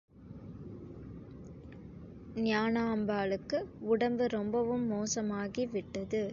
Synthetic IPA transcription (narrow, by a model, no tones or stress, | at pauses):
nɪaːnaːmbaːɭɯkːɯʊɽɐmbɯɾɔmbɐʋɯmːoːsɐmaːɣiʋɪʈːɐðɯ